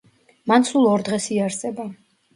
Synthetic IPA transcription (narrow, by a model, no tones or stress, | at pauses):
mansulˠɔɾd̪ʁɛsiaɾsɛba